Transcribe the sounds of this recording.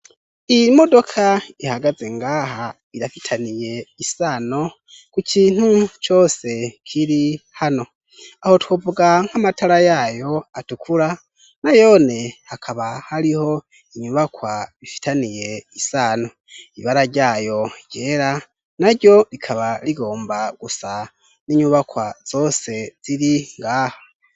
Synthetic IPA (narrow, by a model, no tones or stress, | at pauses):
imo̞do̞kʰaihaɡaze̞ŋɡaːɦa | iɾafitʰanije̞isano̞ | kucʰiːn̥hut͡ʃo̞ːse̞kʰiɾihano̞ | aho̞twovuɡaŋ̥amatʰaɾajajo̞atukʰuɾa | najo̞ne̞hakʰaβahaɾiho̞ | iɲuβakwaβifi̥tanije̞isaːno | iβaɾaɟaːjo̞ɟje̞ːɾa | naɾɟo̞ɾikʰaβaliɡo̞ːmbaɡ̥usa | niɲuβakwaz̥o̞se̞z̥iɾiŋɡaːha